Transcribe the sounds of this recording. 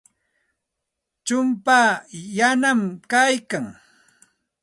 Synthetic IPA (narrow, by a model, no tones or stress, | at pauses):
t͡ʃʊmpaːjanamkajkaŋ